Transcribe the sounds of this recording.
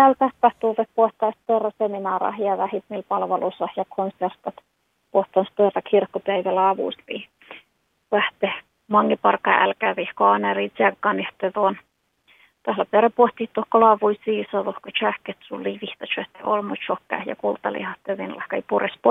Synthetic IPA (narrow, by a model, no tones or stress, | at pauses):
ælt̪æhpæht̪uːʋepoht̪ɑist̪ørɑseminɑːɾɑ̰hjɑʋæhit̪miːlpɑlʋelusɑhjɑkʰonsert̪ɑt̪ | poht̪ɑnst̪ørːɑkʰirkːopæiʋælæɑʋṵˑspi | ʋæht̪e | mɑŋːipɑrkːɑːʔæ̰lkæːʋihkoɑnɑriːsɑkːɑniht̪ːeðuon | t̪ɑhlæp̪eræpuht̪iht̪ːuhkolɑʋuisiːsɑðohkot͡ʃæhket̪sulːiʋiht̪ɑt͡ʃøht̪ːeʔo̰lmot͡ʃokːæ̰hjɑ̰kult̪ɑlḭhɑt̪ːeʋinlɑ̰hkɑipurespo